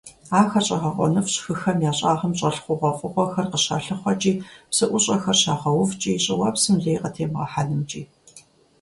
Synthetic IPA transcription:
aːxɐɕʼɐʁɐʁʷɔ̰nɨfɕxɨxɐmjaːɕʼaːʁɐmɕʼɐɬχʷʊʁʷɔfʼɨʁʷɔxɐrqəɕa̰ɬɨχʷɔt͡ʃʼiːpsɨʔʷʊɕʼɐxɐrɕaːʁɐwʊvt͡ʃʼiːɕʼɪwɐpsɨmɮeːjqətʰeːmʁɐ̰ħaɮɨmt͡ʃʼḭː

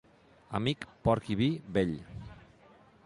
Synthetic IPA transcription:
a̰mikpɔɾkiβibeʎ

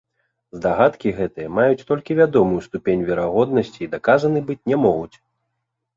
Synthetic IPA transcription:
zd̪aɣat̪kʲiɣɛt̪ɨjɐmajut͡sʲt̪ɔlʲkʲivʲad̪ɔmujust̪upʲenʲvʲɛɾaɣɔd̪̚nɐsʲt͡sʲiːd̪akazɐnɨbɨt͡sʲnʲɛmɔɣut͡sʲ

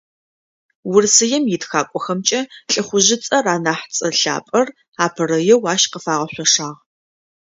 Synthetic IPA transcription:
wʊrsɨjɛmjɪtxaːkʷʼɔxɐmt͡ʃʼɐɬʼɨχʷʊʑɪt͡sʼɐraːnaːħt͡sʼɐɬa̰ːpʼɐr | aːpʰɨrɐjɛwaːʃqəfaːʁɐɕʷɔʂaːʁ

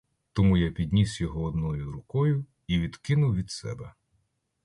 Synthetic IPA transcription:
t̪ɔmujapʲid̪ʲnʲisjɔɦɔːd̪nɔjʊɾʊkɔjʊ | iʋʲid̪kɪnʊwʋʲid̪sɛ̰bɛ

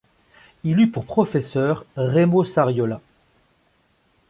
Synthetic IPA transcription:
ilypuʁpχɔfɛsœːʁʁemosaʁjɔla

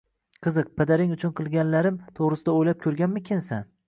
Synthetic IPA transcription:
qʰɨzɨq̚pʰad̪aɾɪŋʊt͡ʃʰʊnqʰɨlˠɡʲanlaɾɪmt̪ʰoʁɾɨsɪd̪aojlap̚kʲʰɵɾɡʲanmɪkʲʰɪnsan

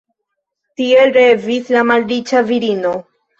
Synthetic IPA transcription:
tie̞lɾe̞vislamalɾit͡ʃaviɾino̞

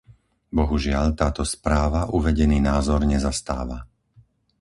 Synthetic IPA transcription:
bɔɦuʒɪaʎt̪aːt̪ɔspɾaːʋaʔuʋɛɟɛniːnaːzɔɾɲɛzast̪aːʋa

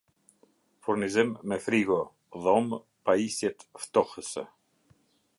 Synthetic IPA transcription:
fuɾnizimːɛfɾiɡɔ | ðɔm | paisjɛt̪ft̪ɔhəsɛ̰

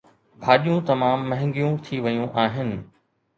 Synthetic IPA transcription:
bʱaːɗijũt̪ɐmaːmːɐ̃ɦɪ̃ŋɡijũt̪ʰiʋɐjũʔaːɦɪnɪ̆

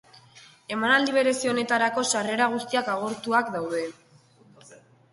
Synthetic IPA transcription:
e̞manald̪iβ̞e̞ɾe̞sio̞ne̞t̪aɾako̞sare̞ɾaɣ̞ust̪iakaɣ̞o̞ɾt̪uakd̪awð̞e̞

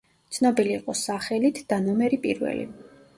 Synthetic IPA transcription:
t̪sʰnɔbiliːqʼɔsaχɛlit̪ʰd̪̥anɔmɛɾipʼḭɾvɛ̰lḭ

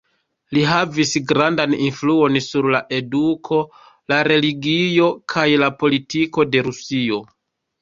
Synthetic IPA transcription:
liɦavisɡɾandaninfluo̞nsuɾlaʔe̞dukʰo̞ | laɾe̞liɡio̞kʰajlapo̞litiko̞de̞ɾusio̞

